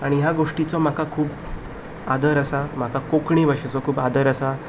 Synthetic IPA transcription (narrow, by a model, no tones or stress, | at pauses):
aɽ̃ijaɡoʂʈit͡sɔm̤akakʰuːp̚ | ad̪ʱəɾəsam̤akakokɳiʋəʂet͡sɔkʰuːbad̪ʱəɾəsa